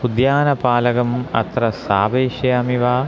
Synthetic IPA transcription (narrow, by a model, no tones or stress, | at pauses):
ud̪jaːnɐpaːlɐɣɐmɐ̰t̪rɐsaːbeːɕɐjɐmiʋaː